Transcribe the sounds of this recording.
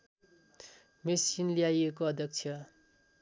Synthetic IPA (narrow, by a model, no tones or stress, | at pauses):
mesinlijajekoʌd̪jʌk̚t͡sʰjʌ